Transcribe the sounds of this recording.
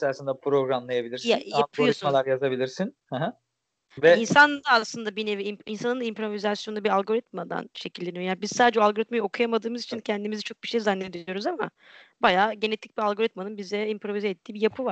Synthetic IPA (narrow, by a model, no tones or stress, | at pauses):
sasɯnd̪apɾo̞ɡɾamlˠajabilʲiɾsjaalpʰoisunmalˠaɾjazabilʲiɾsinhɛɦɛ | vɛinsand̪aːslˠɯnd̪abineviiminsanɯnd̪aimpɾo̞vizasjonabialʲˠɡo̞ɾit̪̚mad̪a̰nʃe̞cilʲd̪ʲenijojanibizsaːd̪ed͡ʒɛalˠɡo̞ɾit̪majɯo̞kʰujamad̪ɯːmɯzit͡ʃʰincʰɛnd̪imizit͡ʃʰo̞k̚biʃejzanːed̪injo̞ɾuzama̰ | bajaːɟe̞ne̞t̪ʰic̚biɾalˠɡo̞ɾit̪manɯnbizd̪ɛimpɾo̞vizeet̪ʰːiːbijapʰɯvaɾ̥